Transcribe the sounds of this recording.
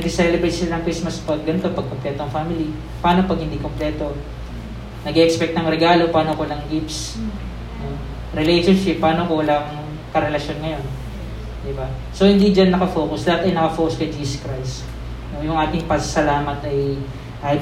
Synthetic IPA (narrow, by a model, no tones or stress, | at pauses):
ɐɡɪsɛlɛbɾet̪sɪlanɐŋkismɐspɐɡɐnt̪o̞pɐɡ̚komplɛːt̪oɐŋfaːmɪli | paːno̞pɐɡ̚hɪnd̪ikomplɛːt̪o̞ | nɐɡɛʔɛkspɛk̚t̪nɐŋɾɛɡaːlo̞paːnokolɐŋɡips | no | ɾɪlejʃonʃɪpːaːnokolɐŋ | kɐɾɛlɐʃjo̞nŋɐjo̞n | d̪ɪbasohɪnd̪iːd͡ʒɐnːɐkɐfo̞ːkʊslɐhat̪ɐjnɐkɐfoːkʊskɐjd͡ʒiːskɾajs | nojʊŋʔaːt̪ɪŋpɐsɐsɐlaːmɐt̪ɐj | ʔa